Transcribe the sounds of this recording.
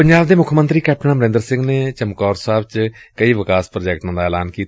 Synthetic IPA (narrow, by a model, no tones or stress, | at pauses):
pəɲd͡ʒaːbd̪eːmʊkʰmənt̪ɾiːkɛːp̚ʰʈənãːməɾɪ̃nd̪əɾsɪ̃ŋɡneːt͡ʃəmkɔːɾsaːbt͡ʃ | kəiːʋɪkaːspɾoːd͡ʒɛːk̚ʈãːd̪aːɛːlaːnkiːt̪